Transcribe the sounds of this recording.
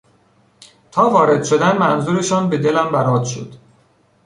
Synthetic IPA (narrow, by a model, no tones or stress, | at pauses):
t̪ʰɒːvɒːɾe̞d̪̥ʃo̞d̪ænmænzuːɾe̞ʃɒːnbe̞d̪e̞læmbæɾɒːd̪ʃo̰d̪̥